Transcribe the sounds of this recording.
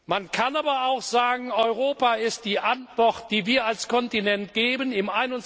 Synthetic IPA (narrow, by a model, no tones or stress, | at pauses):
mankʰanaːbɐaʊxz̥aːɡŋ̩ɔʏʁoːpaːɪst̚d̥iːʔantv̥ɔʁt̚d̥iːviːɐalskʰɔntinɛntɡ̥eːbənɪmʔaɪnʊn